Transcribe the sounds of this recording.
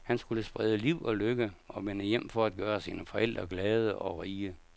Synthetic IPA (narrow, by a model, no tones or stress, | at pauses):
hænsɡ̥uləsb̥ʁɛðˠəliʊ̰ɒ̽løɡ̥əɒ̽ʋenəjem̰fɒ̽æd̥̚ɡ̥ɶːɐsiːnəfɒ̽ʔel̰d̥ʁɐɡ̥lɛːð̞ˠəʔɒ̽ʁiːə